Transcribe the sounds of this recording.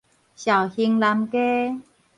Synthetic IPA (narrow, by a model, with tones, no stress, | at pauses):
ɕja˨˩whi˧ŋla˧mke˦